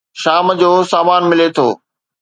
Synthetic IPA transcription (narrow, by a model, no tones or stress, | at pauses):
ʃaːmd͡ʑoːsaːmaːnmɪlet̪ʰoː